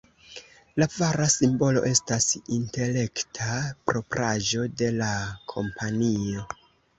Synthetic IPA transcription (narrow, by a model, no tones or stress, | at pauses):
lavaɾasimbo̞lo̞ʔe̞stasinte̞le̞ktʰapɾo̞pɾʔaʒo̞de̞lakʰo̞̰mpʰanio̞